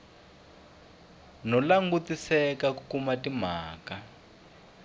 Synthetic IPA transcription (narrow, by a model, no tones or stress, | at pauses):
nɔlaŋɡutisɛkakukumatim̤aːka